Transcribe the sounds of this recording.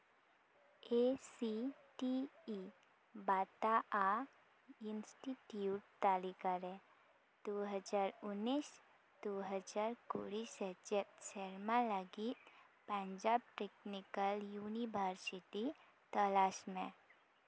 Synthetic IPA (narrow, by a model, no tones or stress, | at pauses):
esiʈiː | bat̪aa | insʈiʈjuʈ̚t̪alikaɾe | d̪̥oɦəd͡ʒaɾunːis | d̪oɦəd͡ʒaɾko̰ɽisəd͡ʒet̪̚seɾmãlaɡiːt̪̚pə̃ɲd͡ʑab̚ʈeknikəljuniʋəɾsiʈi | t̪əlasmẽ